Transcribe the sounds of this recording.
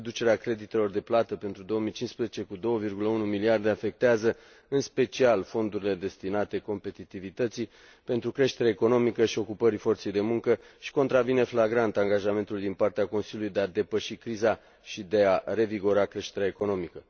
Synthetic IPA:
d̪ut͡ʃe̞ɾeakɾe̞d̪it̪e̞lo̞rd̪e̞plat̪əpe̞nt̪ɾud̪o̞wəmijt͡ʃinspɾezet͡ʃe̞kud̪o̞wəvirɡuləunumiliard̪e̞afe̞k̚t̪eazə | ɨnspe̞t͡ʃialfo̞nd̪uɾile̞d̪e̞st̪inat̪e̞ko̞mpe̞t̪it̪ivit̪ət̪si | pe̞nt̪ɾukɾe̞ʃt̪e̞ɾaeko̞no̞mikəʃio̞kupəɾifo̞rt̪se̞jd̪e̞muŋkə | ʃi̥ko̞nt̪ɾavine̞flaɡɾant̪aŋɡaʒame̞nt̪ulid̪inpart̪eako̞nsiljulujd̪ead̪e̞pəʃikɾiza | ʃid̪e̞aɾe̞viɡo̞ɾakɾe̞ʃt̪e̞ɾeaeko̞no̞mikə

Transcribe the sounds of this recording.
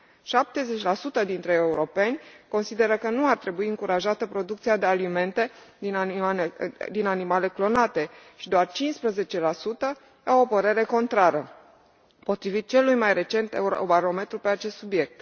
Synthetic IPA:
ʃap̚t̪e̞ze̞t͡ʃʲlasut̪əd̪int̪ɾe̞euɾo̞pe̞nʲko̞nsid̪e̞ɾəkənuart̪ɾe̞buiɨŋkuɾaʒat̪əpɾo̞d̪uk̚t̪siad̪e̞alime̞nt̪e̞d̪in | d̪inanimale̞klo̞nat̪e̞ʃid̪oart͡ʃinspɾəze̞t͡ʃe̞lasut̪ə | awopəɾe̞ɾe̞ko̞nt̪ɾaɾə | po̞t̪ɾivit̪̚t͡ʃe̞lːujmajɾe̞t͡ʃe̞nt̪ḛubaɾo̞me̞t̪ɾupe̞at͡ʃe̞st̪subje̞k̚t̪

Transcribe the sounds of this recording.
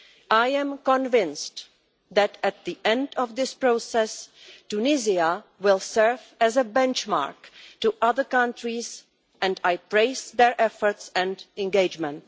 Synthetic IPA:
ʔaɪɛ̃mkɔ̃nvɪ̃nst | ðætæt̪̚ðiʔɛ̃ndɔvðɪspɹoʊsɛstunɪziawɪlˠsɜ˞væzəbɛ̃nt͡ʃma̰ɹktuʔʌðə˞kʌ̃ntɹiz | ɛ̃ndaɪpɹeɪsðɛɹʔɛfə˞tsɛ̃ndɛ̃nɡeɪd͡ʒmɛ̃nt

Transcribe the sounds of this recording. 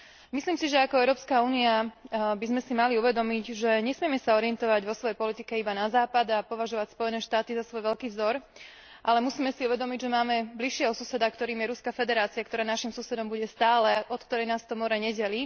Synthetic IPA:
misliːmsiʒɛakɔɛʊɾɔːpskauːniabizmɛsimaliuʋɛd̪ɔmiɟʒɛɲɛsmɪɛmɛsaɔɾɪɛnt̪ɔʋaɟʋɔsʋɔjɛjpɔlit̪ikɛibanazaːpad̪apɔʋaʒɔʋacspɔjɛnɛːʃt̪aːt̪izasʋɔjʋɛʎkiːvzɔɾ | ʔalɛmusiːmɛsiuʋɛd̪ɔmiɟʒɛmaːmɛbliʃːɪɛɦɔsusɛd̪akt̪ɔɾiːmjɛɾuskafɛd̪ɛɾaːt͡siakt̪ɔɾaːnaʃimsusɛd̪ɔmbuɟɛst̪aːlɛɔt̪kt̪ɔɾɛjnaːst̪ɔmɔɾɛɲɛɟɛli

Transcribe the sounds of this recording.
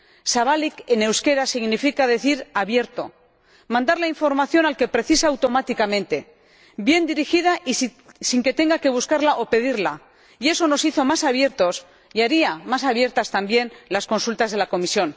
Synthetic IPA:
saβalikene̞wske̞ɾasiɣnifikaðe̞θiɾaβje̞ɾt̪o̞̰ | mãnd̪aɾlaiɱfo̞ɾmaθjo̞nalke̞pɾe̞θisaawt̪o̞mat̪ikamẽ̞nt̪e̞ | bje̞nd̪iɾixið̞aʔi | siŋke̞t̪e̞ŋɡake̞β̞uskaɾlaʔo̞pe̞ð̞iɾla | ie̞so̞no̞siθo̞masaβje̞ɾt̪o̞s | jaɾiamasaβ̞je̞ɾt̪ast̪ambje̞nlasko̞nsult̪azðelako̞misjo̞n

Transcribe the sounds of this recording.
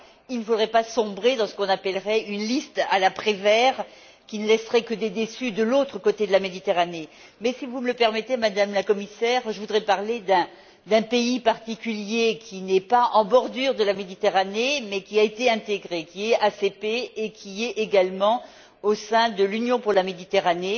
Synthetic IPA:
ilnəfod̪ʁɛpasɔ̃bʁed̪ɑ̃sə̥kɔ̃napɛlʁɛynlist̪alapχevɛːʁ | kʲinəlɛsʁɛkəd̪ed̪esyd̪əlot̪χəkot̪ed̪əlamed̪it̪eʁane | mɛsivumələpɛʁmɛt̪emad̪amlakɔmisɛːʁʒəvud̪ʁɛpaʁled̪ɛ̃ | d̪ɛ̃peipaʁt̪ikʲyljekʲʰinɛpaɑ̃bɔʁd̪yʁd̪əlamed̪it̪eʁanemɛkʲiaet̪eɛ̃t̪eɡʁekʲiɛasepeːkʲʰiɛeɡalmɑ̃ | osɛ̃d̪əlynjɔ̃puʁlamed̪it̪eʁane

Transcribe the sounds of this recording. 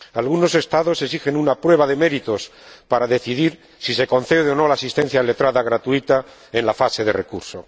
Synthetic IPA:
alɣuno̞se̞st̪aðo̞sesixe̞nunapɾwe̞βaðe̞me̞ɾit̪o̞spaɾaðe̞θiðiɾ | sise̞ko̞nθe̞ðeono̞laːsist̪e̞n̟θjaele̞t̪ɾaðaɣ̞ɾat̪uit̪a | enlafase̞ðe̞re̞kuɾso̞

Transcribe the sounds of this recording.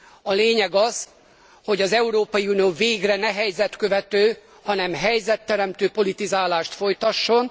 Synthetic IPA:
ɒleːɲɛɡɒz̥ | ho̞ɟɒzɛuɾoːpɒjiunijoːveːɡrɛnɛɦɛjzɛt̪kø̞vɛt̪øː | hɒnɛmɦɛjzɛt̪ːɛɾɛmt̪øːpo̞lit̪izaːlaːʃt̪fo̞jt̪ɒʃːo̞n

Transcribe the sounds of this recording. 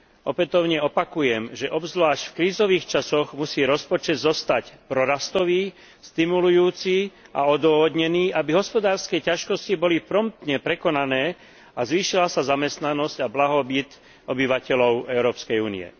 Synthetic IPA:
ɔpɛt̪ɔʊɲɛɔpakujɛmʒɛʔɔbzʋlaːʃcfkɾiːzɔʋiːxt͡ʃasɔɣmusiːɾɔspɔt͡ʃɛd̪zɔst̪acpɾɔɾast̪ɔʋiː | st̪imulujuːt͡si | a̰ɔd̪ʊʋɔɦɔd̪ɲɛniːʔabiɦɔspɔd̪aːɾskɛjcaʃkɔscibɔlipɾɔmt̪ɲɛpɾɛkɔnanɛː | azʋiːʃilasazamɛst̪nanɔscablaɦɔbit̪ | ɔbiʋacɛlɔʊɛʊɾɔːpskɛjuːnḭɛ̰

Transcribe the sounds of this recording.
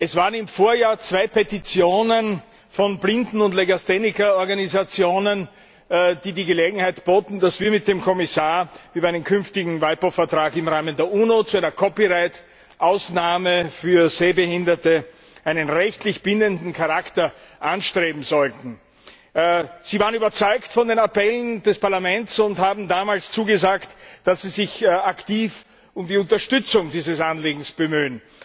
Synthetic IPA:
ʔɛsv̥aːʁənɪmfoːɐjaːɐt͡sv̥aɪpʰetit͡sjoːnən | fɔnblɪndn̩ʊndleɡastenɪkɐɔɐɡanizat͡sjoːnən | d̥iːdiːɡəleːɡŋ̩haɪtb̥oːtn̩d̥asv̥iːɐmɪt̚d̥eːmkʰɔmɪsaːɐiːbɐɪnəmkʰʏnftɪɡŋ̩vaɪpofɐtʁ̥aːkɪmʁaːməndeːɐʔuːnot͡suæɪnɐkʰɔpiʁaɪt | ʔaʊsnaːməfyːɐzeːbəhɪndɐtə | ʔaɪnənʁɛçtlɪçb̥ɪndəndn̩kʰaʁaktɐʔanʃtʁ̥eːbm̩zɔltn̩ | z̥iːvaːʁənyːbɐt͡sɔʏktfɔndeːnapɛlənd̥ɛspaɐlamɛntsʊnthaːbm̩daːmaːlst͡suːɡəzaːktd̥asz̥iːzɪçaktiːf | ʊmdiʊntɐʃtʏt͡sʊŋdiːzəsanleːɡŋ̩sb̥əmyːən

